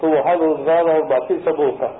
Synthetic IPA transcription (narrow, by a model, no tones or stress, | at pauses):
t̪oʋɐɦãɾoːzɡaːɾɔːɾbaːt̪isɐbɦoːt̪a